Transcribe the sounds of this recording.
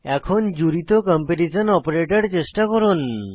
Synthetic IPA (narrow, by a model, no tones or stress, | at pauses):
ɛkʰɔnd͡ʒuɾit̪okɔmpeʈisɔnɔpɔɾeʈɔɾt͡ʃesʈakɔɾon